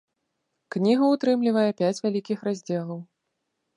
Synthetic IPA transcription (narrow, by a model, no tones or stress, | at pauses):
knʲiɣɐut̪ɾɨmlʲivɐjɛpʲat͡sʲvʲalʲikʲixɾazʲd͡zʲɛlˠɐw